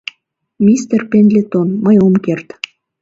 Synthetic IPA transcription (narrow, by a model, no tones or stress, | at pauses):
mʲist̪erpenlʲet̪onməjomkert̪